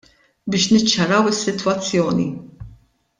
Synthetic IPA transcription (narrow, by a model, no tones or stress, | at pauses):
bɪːʃnɪt͡ʃːɐɾɐwɪsːɪt̪wɐt͡sːjɔːnḭ